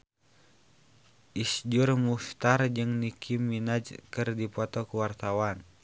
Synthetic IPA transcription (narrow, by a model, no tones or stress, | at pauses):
ʔisd͡ʒurmuft̪ard͡ʒɨŋnikʰimːinad͡ʒkɨrdipɔt̪ɔkuwart̪awan